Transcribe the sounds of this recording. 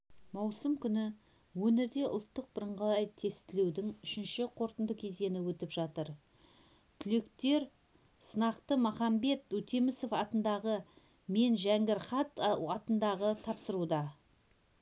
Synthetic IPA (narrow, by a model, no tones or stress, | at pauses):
mɑwsəmkʲʰʏnɪ | wɵneɾd̪e̞ʔʊ̰lˠt̪ːəq̚bəɾəɴʁɑlˠɑjt̪ʰe̞st̪ɪlewd̪ɪŋʏʃɪnʃɪqʰo̞ɾt̪ənd̪əkʲʰezd̪e̞nɪwɵt̪ɪpʒɑt̪əɾ | t̪ʰʏle̞kt̪e̞ɾ | sənɑqt̪əmɑχɑmbe̞t̪ɵt̪ʰemɪso̞fɑt̪ənd̪ɑʁə | me̞nʒæŋɡʲɪɾχɑt̪ɑt̪ənd̪ɑʁət̪ʰɑpsəɾud̪ɑ